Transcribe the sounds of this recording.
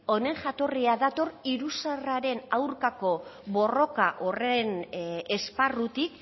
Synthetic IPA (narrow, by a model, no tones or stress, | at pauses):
o̞ne̞ŋʝat̪o̞riaðat̪o̞riɾusaraɾe̞nawɾkako̞βo̞ro̞kaʔo̞rene̞sparut̪ik